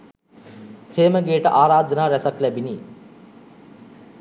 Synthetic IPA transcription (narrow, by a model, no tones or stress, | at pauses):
seːməɡeːʈəʔaːɾaːd̪ʱənaːɾɛsaklæbini